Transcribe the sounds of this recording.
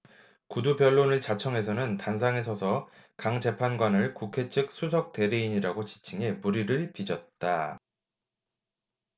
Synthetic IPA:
kudupjʌɭːonɯɭt͡ɕat͡ɕʰʌŋe̞sʰʌnɯntans̬ʰaŋe̞sʰʌsʰʌ | kaŋd͡ʑe̞pʰanɡwanɯɭkukʰe̞t͡ɕʰɯk̚s͈ʰusʰʌk̚t͈e̞ɾeiɲiɾaɡot͡ɕi̥t͡ɕʰiŋe̞muɾiɾɯɭpid͡ʑʌt̚t͈a

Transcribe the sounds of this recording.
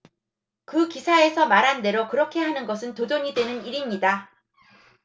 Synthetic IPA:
kɯkisʰae̞sʰʌmaɾɦande̞ɾokɯɾʌkʰe̞ɦanɯnɡʌsʰɯntodoɲidwe̞nɯniɾimɲida

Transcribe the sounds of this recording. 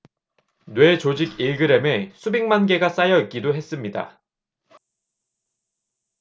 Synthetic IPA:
nwe̞t͡ɕod͡ʑiɡiɭɡɯɾe̞me̞sʰubiŋmanɡe̞ɡas͈ajʌik͈idoɦe̞s͈ɯmɲida̰

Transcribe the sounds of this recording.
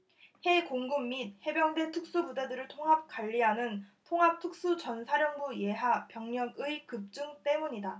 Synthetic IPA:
he̞koŋɡumːit̚he̞bjʌŋde̞tʰɯk̚s͈ubudedɯɾɯɭtʰoŋɦap̚k͈aʎːiɦanɯntʰoŋɦap̚tʰɯk̚s͈ut͡ɕʌnsʰaɾjʌŋbuje̞ɦapjʌŋɲʌɡɯikɯp̚t͡ɕ͈uŋt͈e̞muɲida

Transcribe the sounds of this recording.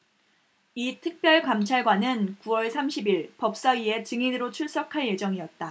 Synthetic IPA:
itʰɯk̚p͈jʌɭkamt͡ɕʰaɭɡwanɯnkuwʌɭsʰamɕʰibiɭpʌp̚s͈aɥie̞t͡ɕɯŋinɯɾot͡ɕʰuɭs͈ʌkʰaɭje̞d͡ʑʌŋiʌt̚t͈a

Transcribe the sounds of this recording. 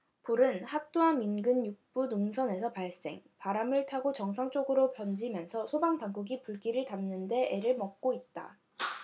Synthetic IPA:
puɾɯnhak̚t͈oaminɡɯnjuk̚p͈unuŋsʰʌne̞sʰʌpaɭs͈e̞̰ŋpaɾamɯɭtʰaɡot͡ɕʌŋsʰaŋt͡ɕ͈oɡɯɾopjʌnd͡ʑimjʌnsʰʌsʰobaŋtaŋɡuɡipuɭɡ͈iɾɯɭtamnɯnde̞eɾɯɭmʌk̚k͈oit̚t͈a̰

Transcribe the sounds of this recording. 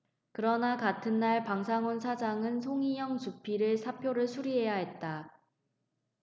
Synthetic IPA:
kɯɾʌnakatʰɯnːaɭpaŋsʰaŋonsʰad͡ʑaŋɯnsʰoŋijʌŋt͡ɕupʰiɾɯsʰapʰjoɾɯɭsʰuɾiɦe̞jaɦe̞t̚t͈a

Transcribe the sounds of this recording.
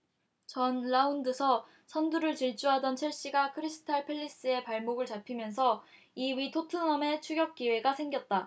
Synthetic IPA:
t͡ɕʌnɭaundɯsʰʌ | sʰʌnduɾɯɭt͡ɕiɭt͡ɕ͈uɦadʌnt͡ɕʰiɭɕ͈iɡakʰɯɾisʰɯ̥tʰaɭpʰeɭːis͈ɯe̞paɭmoɡɯɭt͡ɕapʰimjʌnsʰʌ | iwɥitʰotʰɯnʌme̞t͡ɕʰuɡjʌk̚k͈iwe̞ɡasʰe̞ŋɡjʌt̚t͈a

